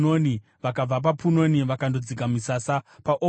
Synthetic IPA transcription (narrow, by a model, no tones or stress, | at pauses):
oni | ʋakab͡vap̬apuno̞niʋakandod͡zikamisasapaʔo